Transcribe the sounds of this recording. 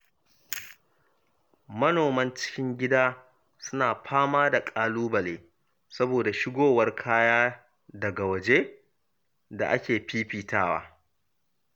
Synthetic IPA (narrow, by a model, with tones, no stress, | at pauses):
mɐ˦noː˨mɐ˦nt͡ʃɪ̥˦kʲɪ˦ŋɡʲɪ˦daː˦ | sʊ˦naː˨ɸʰaː˦maː˦da˨kʼaː˦luː˦bɐ˨leː˨ | sɐ˦boː˨da˨ʃɪ˦ɡʷoː˦˨wɐ˦rkʰaː˦jaː˦ | dɐ˨ɡa˨wɐ˨d͡ʒe˦ | da̰˨ʔa̰˦kʲeː˨ɸiː˦ɸiː˨tʰaː˦wa̰ː˦